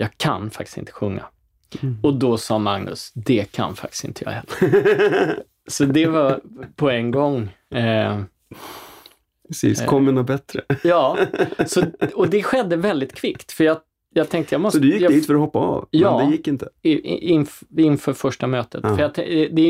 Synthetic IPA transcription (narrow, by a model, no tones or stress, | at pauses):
jɑːɡkʰa̰nfakt̪ɪ̥sɪ̰nt̪ʰə̥ɧɵŋːa̰ | ɔd̪ɔsɑːmaŋnɵ̰sd̪ɛkʰa̰nfa̰k̚t̪ɪ̥stɪ̰nt̪əjɑ̰ːɡɛ | sɔd̪ɛvɑpʰɔɛŋɡɔŋː | ɛsḭːskʰɔmːənɔbɛt̪ɾəjɑːsɔɔd̪ɛɧɛd̪ːəvɛld̪ɪt̪kʰvɪkt̪fœɾjɑ | jɑːɡt̪ʰɛŋkt̪əjɑmɔssɔd̪ɵjɪkːd̪iːt̪fəɾɔhɔpːaɑ̰vjɑːd̪ɛjɪkːɪnt̪ə̥ɪnɪnːfœːɾfœʂʈamøːt̪ʰət̪fœɾjɑt̪ʰɛ̰d̪ɛd̪ɛ